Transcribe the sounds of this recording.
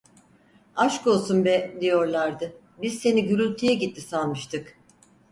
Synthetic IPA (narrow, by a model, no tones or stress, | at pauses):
aʃkolˠsunbɛd̪ijo̞ɾlˠaɾd̪ɯ | bizse̞niɟyɾylʲt̪ʰijɛɟit̪ʰːisalˠmɯʃt̪ʰɯk